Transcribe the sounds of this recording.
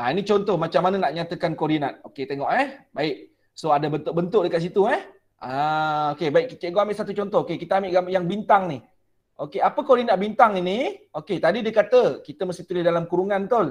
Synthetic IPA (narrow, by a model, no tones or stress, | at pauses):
ʔainit͡ʃɔnt̪ɔhmat͡ʃamːananaʔɲat̪əkankoɾinat̪̚oket̪eŋɔʔɛhbaɪʔ | soadabənt̪ʊʔ̚bənt̪ʊʔ̚dəkat̪s̬it̪uɛh | ʔaokebaɪʔkit̪eɡɔʔambɪʔsat̪ut͡ʃɔnt̪ɔɦokekit̪əambɪʔɡajaŋbint̪aŋnih | ʔokeapəkoɾinat̪̚bint̪aŋinioket̪adidiəkat̪əkit̪əməst̪it̪ulɪhdalamkuɾuŋãnt̪ol